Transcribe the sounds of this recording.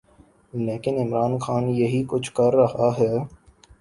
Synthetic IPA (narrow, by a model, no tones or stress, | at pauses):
leːkɪnɪmɾaːnxaːnjɐɦikʊt͡ʃʰkɐɾːɐɦaɦɛː